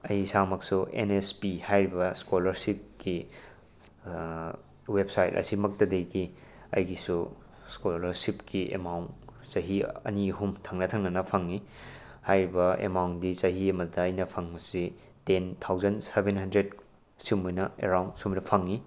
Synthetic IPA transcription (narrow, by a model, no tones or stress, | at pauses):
ɐjsamɐksuʔḛnespihajɾibɐskolɐɾsip̚ki | websajtɐ̰simɐk̚tɐdejɡi | ɐ̰jɡisu | skolɐɾsipkiḛmawn | t͡ʃɐɦiɐ̰niɦumtʰaŋnɐtʰaŋnɐnɐpʰɐŋi | hajɾibɐḛmawndit͡ʃɐɦiɐmɐdɐːjnɐpʰɐŋmɐsi | tentʰawzɐnsebenɦɐndɾed̚ | simujnɐḛɾawnsumnɐpʰɐŋːi